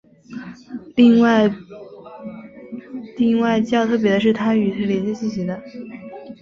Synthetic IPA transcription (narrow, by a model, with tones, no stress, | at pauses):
lŋwa˥˩ | li˥˧ŋwa˥˧ɪt͡ɕjɑ˥˧ʊt̪ʰɤ˥˩p̬jɛ˧˥d̪ə˦ʂ̬ɻ̩˥˩t̪ʰa˥y˨˩t̪ʰljɛ˧˥nt͡ɕjɛ˥ɕi˥˩ɕi˧˥d̪ə˧